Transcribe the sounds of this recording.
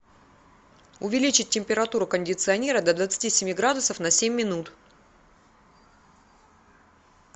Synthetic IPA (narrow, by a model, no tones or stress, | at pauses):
ʊvʲɪlʲit͡ɕɪt̚ʲtʲːɪmʲpʲɪɾɐt̪uɾʊkənʲdʲɪt̪sɨɐnʲeɾəd̪əd̪vət̪sɨ̥tʲisʲɪmʲiɡɾad̪ʊsəfnɐsʲemʲːɪnut̪